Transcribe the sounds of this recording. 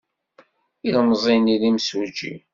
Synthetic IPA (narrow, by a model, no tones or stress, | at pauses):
ilmzˤinilimsud͡ʒḭ